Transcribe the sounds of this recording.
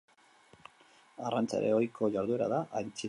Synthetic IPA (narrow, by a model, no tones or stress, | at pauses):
arant͡sa̰ɾḛojkʰo̞ʝaɾðue̞ɾa̰ðaʔajnt͡si